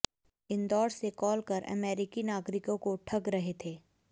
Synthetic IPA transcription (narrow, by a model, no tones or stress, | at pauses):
ɪnd̪ɔːɾsekɔːlkɐɾɐ̰meːɾɪkinaːɡɾɪkõkoʈʰɐɡɾɐɦet̪ʰeː